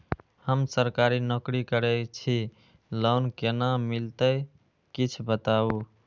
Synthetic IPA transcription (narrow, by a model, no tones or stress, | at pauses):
həmsəɾkaɾinokɾikəɾɛt͡ʃʰi | lənkenamilt̪əj | kit͡ʃʰbət̪au